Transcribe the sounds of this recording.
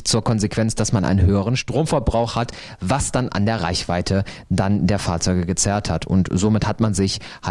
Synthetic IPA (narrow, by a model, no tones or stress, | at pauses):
t͡suːɐkʰɔnzekv̥ɛnt͡sd̥asmanʔa̰ɪnənhɦøːəʁ̞ənʃtʁ̥oːmfɛɐbʁaʊxhat | vasd̥anʔa̰ndeːɐʁaɪçv̥aɪtʰə | dandeːɐfaːɐt͡sɔʏɡəɡət͡sɛːɐthatʰʊ̰ntz̥oːmɪthatmanzɪç | ha